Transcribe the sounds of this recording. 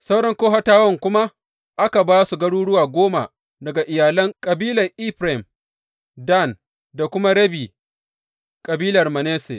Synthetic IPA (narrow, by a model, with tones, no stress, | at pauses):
sa˦wɽɐ˦ŋkoː˦ɦha˦taː˦wɐ˦˨ŋkʷʊ˦ma˦ | ʔa˦ka˨baː˦su˨ɡɐ˦ɽuː˦ɽʊ˦waː˨ɡʷoː˦ma̰˨ | dɐ˨ɡa˨ʔɪ˨jaː˨lɐ˦ŋkʼɐ˨biː˦lɐ˨rʔi˦ɸɾa˨m | da˦˨n | da˨kʷʊ˦ma˦ɽɐ˦biː˨ | kʼɐ˨biː˦lɐ˨rmɐ˨neː˦sḛ˨